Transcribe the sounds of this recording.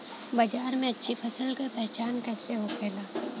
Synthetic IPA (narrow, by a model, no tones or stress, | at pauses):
bɐd͡ʒaːɾmẽɐtːʃʰipʰɐsəlkapɛɦt͡ʃaːnkɛːseɦokʰeːlaː